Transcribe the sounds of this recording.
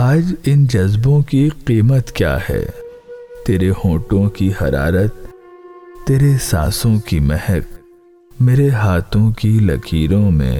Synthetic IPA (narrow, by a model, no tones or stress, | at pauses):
aːd͡ʒɪnd͡ʒɐzbõkiqiːmət̪kja̰ːhɛ̰ː | t̪eːɾehõːʈõkihɐ̰ɾa̰ːɾət̪ː | eːɾesa̰ːsõkimɛɦɛk̚ | meːɾeɦaːt̪ʰõkilɐ̰kʰiːɾõmḛ̃ː